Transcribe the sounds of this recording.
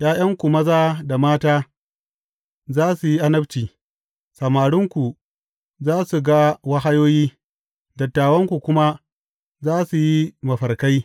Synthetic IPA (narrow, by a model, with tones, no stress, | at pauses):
jaː˦j̰ɐ˦ŋkʷu˨mɐ˦zaː˦da˨maː˦taː˦ | zaː˦su˨ji˦ʔa˦nɐ˦bt͡ʃiː˨ | sɐ˨maː˨ɽʊ˦ŋkʷu˨ | zaː˦su˨ɡa˦wɐ˦ɦa˦joː˦jiː˦ | dɐ˨tːaː˨wɐ˦ŋkʷu˨kʷʊ˦ma˦ | zaː˦su˨ji˦mɐ˨ɸɐ˨rka˦j